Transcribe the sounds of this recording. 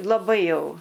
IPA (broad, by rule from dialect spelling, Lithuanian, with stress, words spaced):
lˠɐˈbɐɪ ˈjɛʊ